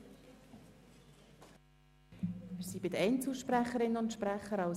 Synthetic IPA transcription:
mɪsibɪdəɛɪnt͡suʃpræχəɾɪnəʊntʃpɾæχəɾɑʊs

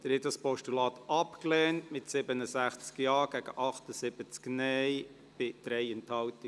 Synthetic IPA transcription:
d̥əɾhɛtdɑspɔʃtulɑːt̪ɑpklɛːntmɪtsɪbənəsæχt͡skjɑːɡ̥ɛɡ̥əʔɑχtəsɪb̥ət͡sknɛj | b̥ɪd̪̥ɾɛɪɛnthɑwtɪ

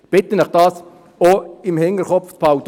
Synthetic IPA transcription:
b̥ɪt̪ənɛχd̥ɑːs | oɪmhɪŋəɾχɔfpʰaʊt

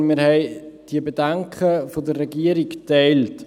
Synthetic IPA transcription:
miːɾhɛɪd̥iəbedɛŋkχəfodərːɛɡiəɾiktɛɪlt

